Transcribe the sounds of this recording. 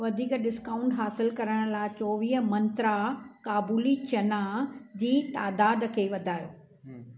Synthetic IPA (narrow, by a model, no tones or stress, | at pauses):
ʋɐd̪ʱiːkɗɪskaːʊ̃ɳʈɦaːsɪlkɐɾəɽ̃laːɪt͡ɕɔːʋiːɦəmɐ̃nt̪ɾakaːbuːlit͡ɕɐnad͡ʑiːt̪aːd̪aːd̪kʰeːʋɐd̪ʱaːjoː